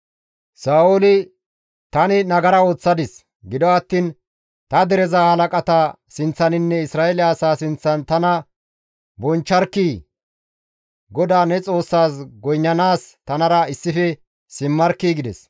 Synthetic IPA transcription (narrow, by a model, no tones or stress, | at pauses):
saːolɪ | t̪ɐnɪnɐɡɐɾɐo̞ːt͡sːɐd̪ɪs | ɡɪd̪ɔɐt̪ːiːn | t̪ɐd̪ɛɾɛzahɐlɐkʼɐt̪a | sɪnt͡sːɐnɪnːɛɪsɾaːɛlɪaːsaːsɪnt͡sːɐnt̪ɐnɐ | bɔnt͡ʃːɐɾkːiː | ɡɔd̪aːnɛt͡sʼo̞ːsːaːsɡɔjɲːɐnaːst̪ɐnɐɾɐɪsːɪfɛ | sɪmːɐɾkːiːɡɪd̪ɛs